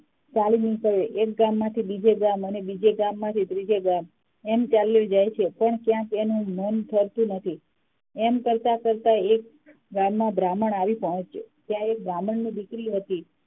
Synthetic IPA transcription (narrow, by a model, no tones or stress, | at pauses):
t͡ʃalinikəɾeʔek̚ɡamːãt̪ʰibid͡ʒeɡamənebid͡ʒeɡamːãt̪ʰit̪ɾid͡ʒeɡam | emt͡ʃaljod͡ʒajt͡ʃʰepəɳkjãkenũmont̪ʰəɾt̪ũnət̪ʰi | emkəɾt̪akəɾt̪aek̚ | ɡamːãbɾaməɳaʋipəɦə̃t͡ʃt͡ʃet̪jãek̚bɾaməɳnibikɾiɦət̪i